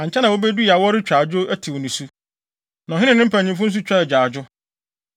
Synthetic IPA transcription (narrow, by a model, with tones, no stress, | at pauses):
ã˨ɲt͡ɕʰɛ˦nã˨wo˦bɛ˦du˦i˨a˨wɔ˦ɾɪ˦t͡ɕᶣa˨d͡ʑʊ˦æ˦tʰi˨wɔ˨nĩ˨su˦ | nã˨ɦɪ̃˦ɪ̃˦˨nɪ̃˦m˦pʰã˨ɲĩ˨f̬ʊ̃˦n̩˦s̬u˦t͡ɕᶣa˦˨d͡ʑᶣa˨d͡ʑʊ˦